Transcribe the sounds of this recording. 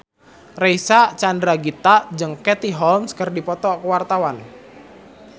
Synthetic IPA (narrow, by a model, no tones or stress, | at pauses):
reisat͡ʃandɾaɡit̪ad͡ʒɨŋkɛt̪iɦɔlmskərdipɔt̪ɔkəwart̪awan